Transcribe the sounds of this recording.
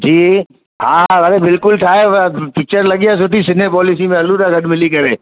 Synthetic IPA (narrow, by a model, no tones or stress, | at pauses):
d͡ʒiː | ɦãɦɐɾebɪlkʊlʈʰaːepɪk̚t͡ʃəɾlɐɡjasʊʈʰisɪn̤ɦepɔːlɪs̬imẽɐluɾaɡɐɖmɪlikɐɾẽː